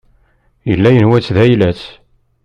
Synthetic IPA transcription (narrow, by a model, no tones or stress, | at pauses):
jəlːæjənwæt͡sːðæjlæt͡s